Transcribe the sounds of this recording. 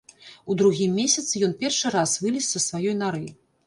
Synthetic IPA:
ud̪ɾuɣʲimːʲesʲɐt̪sɨjɔn̪pʲɛrʂɨɾasvɨlʲisʲsɐsvajɔjnaɾɨ

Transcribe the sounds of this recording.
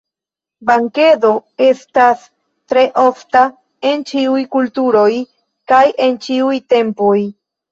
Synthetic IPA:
baŋke̞do̞e̞stas | tɾe̞ʔo̞fta | e̞nt͡ʃiujkultuɾo̞j | kaje̞nt͡ʃiujte̞mpoj

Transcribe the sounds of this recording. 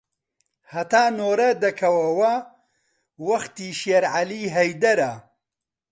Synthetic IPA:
hɐt̪aːnoːɾɐd̪ɐkʰɐwɐwɐ | wɐxt̪iːʃeɾʕaliːɦɐjd̪ɐɾɐ

